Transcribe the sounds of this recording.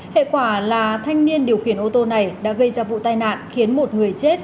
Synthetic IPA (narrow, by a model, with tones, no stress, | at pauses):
hḛ˧˨kwaː˧˩laː˨˩t̪ʰa˧jŋ̟ni˧ənɗi˨˩əwxi˧˩ənʔo˧t̪o˧na˨˩jɗa̰ː˧˥ɣə˧jzaː˧vṵ˧˨t̪aː˧jna̰ː˧˨nxi˨˦ənmo˨˩t̚ŋɨ˨˩əjt͡ɕe˦˥t̚